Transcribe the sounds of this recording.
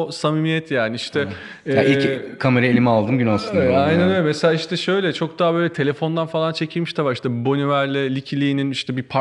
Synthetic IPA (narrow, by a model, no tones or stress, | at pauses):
samimijɛt̪ʰjaːnɪiʃt̪ʰɛ | aːilkʰame̞ɾaelʲimialˠd̪ɯmɟynalˠsɯnajnɛnømeselʲaːiʃt̪ʰɛʃø̞jlʲɛt͡ʃʰo̞k̚d̪aːabø̞jlʲɛt̪ʰe̞lʲe̞fo̞nd̪anfalˠant͡ʃʰe̞cʰilʲmiʃt̪ʰavaɾiʃt̪ʰɛbo̞nyvæɾlʲɛlʲicʰilʲijːniniʃt̪ʰɛbipʰa